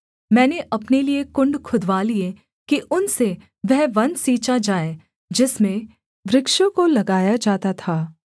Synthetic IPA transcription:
mɛ̃ːneʔɐpneliekʊ̃ɳɖkʰʊd̪ʋaːlie | kiʔʊnse | ʋɛɦʋɐ̃nsiːt͡ʃad͡ʒaːe | d͡ʒɪsmẽ | ʋɾɪkʃõkolɐɡaːjad͡ʒaːt̪at̪ʰaː

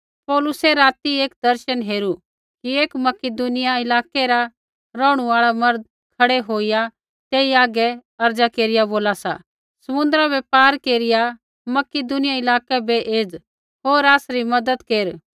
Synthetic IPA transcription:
pɔːlʊsɛɾaːt̪ieːk̚d̪ɐɾʃənɦeːɾu | kieːkmɐkɪd̪unɪjaɪlaːkɛɾa | ɾɔːɽ̃uaːɭamɐɾd̪̚ | kʰɐɽɛɦoːija | t̪eːiaːɡɛɐɾd͡ʒakeːɾɪjaboːlasa̰ | sɐmʊ̃nd̪ɾabɛpaːɾkeːɾɪja | mɐkɪd̪ʊnɪjaɪlaːkɛbɛʔeːd͡z | ɦoːɾaːsɾimɐd̪əd̪keːɾ

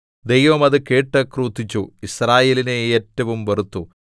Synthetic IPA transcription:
d̪ejʋɐmɐðɨkeːʈːɐkruːt̪ːit͡ɕːuisraːje̞ːlineeːtːɐʋumʋerut̪ːu

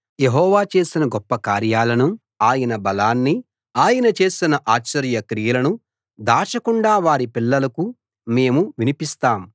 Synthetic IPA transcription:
jeɦɔːʋaːt͡ʃe̞ːsinɐɡɔpːɐkaːɾjaːlɐnu | aːjɐnɐbɐlaːnːi | aːjɐnɐt͡ʃe̞ːsinɐʔaːt͡ʃːɐɾjɐkɾijɐlɐnu | d̪aːt͡ʃɐkuɳɖaːʋaːɾipilːɐlɐku | me̞ːmuʋinipist̪aːm

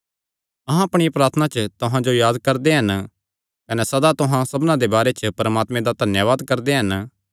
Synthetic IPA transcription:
ɐɦãɐpɽ̃ijpɾaːt̪ʰənat͡ʃət̪ʊɦãd͡ʒojaːd̪kɐɾd̪eɦɐn | kɐnɛsɐd̪at̪ʊɦãsɐbnãd̪ebaːɾet͡ʃəpɐɾmaːt̪mẽd̪ad̪ʱɐnjaʋaːd̪kɐɾd̪eɦɐn

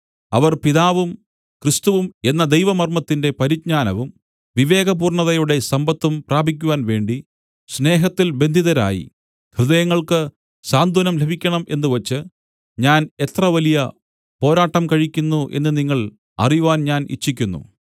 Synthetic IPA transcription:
ɐʋɐrpiðaːʋum | krɨst̪uʋume̞nːɐd̪ejʋɐmɐrmɐt̪ːinde̞pɐɾit̚ɲaːnɐʋum | ʋiʋe̞ːɡɐpuːrɳɐðɐjuɽe̞sɐmbɐt̪ːumpraːbʱik̬ʲːuʋaːnʋe̞ːɳɖi | sne̞ːɦɐt̪ːilbe̞nd̪ʱiðɐɾa̰ːjḭ | hrɨðɐjɐŋːɐɭkɨ | saːnd̪ʱunɐmlebʱikʲːɐɳɐmʔe̞nːuʋɐt͡ɕːɨ | ɲaːne̞t̪rɐʋɐlijɐ | po̞ːɾaːʈːɐmkɐɻikʲːunːuʔe̞̰nːɨniŋːɐɭ | ɐ̰rijuʋaːnɲaːnʔḭt͡ɕːik̬ʲːunːṵ

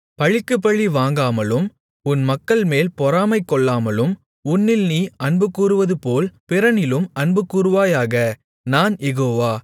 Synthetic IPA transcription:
pɐɻɪkːɯp̬ːɐɭːiʋaːŋɡaːmɐlɯm | ʊnmɐkːɐɭmeːlpɔɾaːmɐɪkːɔɭːaːmɐlɯm | ʊnːɪlniːɐɳbɯkːuːɾɯʋɐðɯpoːlpɪɾɐnɪlɯmɐnbɯkːuːɾɯʋaːjaːɣɐ | naːnjɛɣoːʋaː

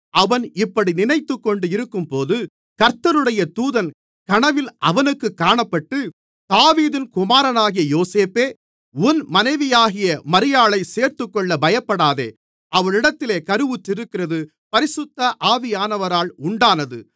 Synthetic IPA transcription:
ʔɐʋɐnɪpːɐɽinɪnɐɪt̪ːɯkːɔɳɖɯɪɾɯkːɯmpoːðɯ | kɐɾt̪ːɐɾɯɽɐjɐt̪uːðɐn | kɐɳɐʋɪlʔɐʋɐnɯkːɯkːaːɳɐpːɐʈːɯ | t̪aːʋiːðɪnkʊmaːɾɐnaːɣɪjɐjoːseːpeː | ʊnmɐnɐɪʋɪjaːɣɪjɐmɐɾɪjaːɭɐɪseːɾt̪ɯkːɔɭːɐbɐjɐpːɐɽaːðḛː | ʔɐʋɐɭɪɽɐt̪ːɪleːkɐɾɯʋɯtːɪɾɯkːɪrɐðɯ | pɐɾɪsɯt̪ːɐʔaːʋɪjaːnɐʋɐɾaːɭʊɳɖaːnɐðɯ

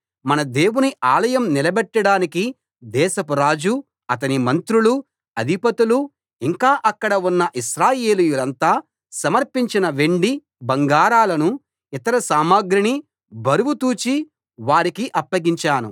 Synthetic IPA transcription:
mɐnɐd̪e̞ːwuniʔaːlɐjɐmnilɐbɛʈːɐɽaːniki | d̪ɛːʃɐpuɾaːd͡ʒu | ɐt̪ɐnimɐnt̪ɾulu | ɐd̪ʱipɐt̪ulu | iŋkaːʔɐkːɐɽɐunːɐʔiʃɾaːjeːlujulɐnt̪aː | sɐmɐɾpiɲt͡ʃinɐʋe̞ɳɖi | bɐŋɡaːɾaːlɐnu | it̪ɐɾɐsaːmaːɡɾini | bʱɐɾuwut̪uːt͡ʃi | ʋaːɾikiʔɐpːɐɡiɲt͡ʃaːnṵ

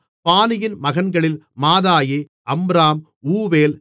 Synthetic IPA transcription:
paːnɪjɪnmɐɣɐnɡɐɭɪlmaːðaːji | ɐmbɾaːm | uːʋeːl

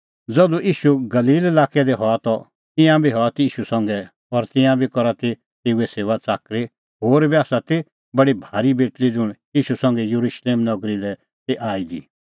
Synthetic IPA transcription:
d͡zɔd̪uʔiːʃuɡɐliːlelaːkɛd̪ɛɦɔat̪ɔ | t̪ɪ̃jãbʱiɦɔat̪iiːʃusɐ̃ŋɡɛ | ɔɾt̪ɪ̃jãbʱikɔɾat̪e | t̪eːuɛseːʋat͡saːkɾe | ɦoːɾbɛaːsat̪e | bɐɽibʱaːɾibeːʈlid͡zʊɽ̃ | iːʃusɐ̃ŋɡɛjuɾuʃleːmnɐɡɾilɛ | t̪eʔaːid̪i

